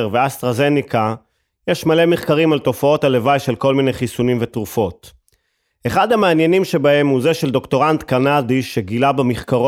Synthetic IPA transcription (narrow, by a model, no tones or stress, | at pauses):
ʁveast̪ʁaze̞nika | jeʃmale̞meχkaʁimalto̞fao̞tale̞vajʃe̞lko̞lmine̞jχisunimvetʁufo̞t | eχadhameːnjenimʃe̞bahe̞mhuze̞ʃe̞ld̪o̞kto̞ʁant̪kanadiʃeɡilabamiχkaʁo